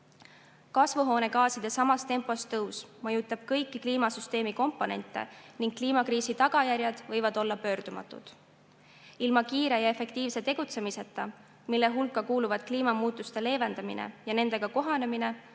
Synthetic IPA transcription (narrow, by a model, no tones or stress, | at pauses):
kɑsvuɦo̞ːne̞ɡɑːsid̪̥e̞sɑmɑst̪e̞mpˑo̞st̪ɤwsmɤjut̪ːˑɑb̥̚kɤjkːikliːmɑsyst̪e̞ːmiko̞mpːˑo̞ne̞̰nt̪ːˑe̞̰niŋk̚kːliːmɑkriːsit̪ɑɡ̥ɑjærʲjɑd̪̥vɤjvɑd̪̥o̞lːɑpø̞ːrd̪umɑ̰t̪ːˑṵd̪̥ | ilmɑkiːɾe̞jɑe̞fe̞kt̪iːvse̞t̪e̞ɡ̥ut̪se̞mise̞t̪ːˑɑ | milːe̞ɦulkːˑɑkuːluvɑd̪̥kliːmɑmuːt̪ːˑust̪e̞le̞ːve̞nd̪ɑmḭnʔḛjɑne̞nd̪̥e̞ɡ̥ɑko̞ɦɑne̞mine̞